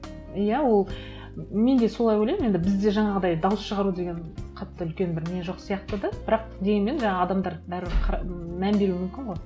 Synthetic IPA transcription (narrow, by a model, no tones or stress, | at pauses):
jæwo̞lˠ | me̞nd̪e̞so̞lˠɑjwolʲejmje̞nd̪ɪbɪzd̪e̞ʒɑɴɑʁəd̪ɑjd̪ɑwʊsʃəʁɑɾud̪e̞ɡʲe̞nqʰɑt̪ːəʏlkʲe̞nbɪɾmeʒo̞qsijɑqt̪əd̪ɑb̥ɪɾɑqd̪eme̞nʒɑɴɑɑd̪ɑmd̪ɑɾbæɾqʰɑmænbe̞ɾuwɪmʏmkʲɪɴʁo̞j